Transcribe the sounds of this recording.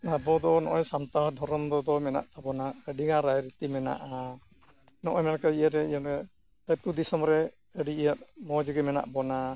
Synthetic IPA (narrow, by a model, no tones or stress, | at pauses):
abɔd̪ɔnɔʔɔjsamt̪aɦd̪ʱɔɾɔmd̪ɔd̪ɔmɛna̰ʔt̪abɔnaəɖiŋaɾajɾit̪imɛna̰ʔa | nɔʔɔjmɛnkaijəɾɛiənɛ | pət̪ud̪isɔmɾɛ | əɖiijət̪̚mɔd͡ʒəɡɛmɛna̰ʔbɔna